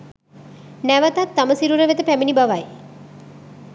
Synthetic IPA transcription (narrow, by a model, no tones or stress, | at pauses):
næʋət̪at̪ːaməsiɾuɾəʋet̪əpæminibaʋaj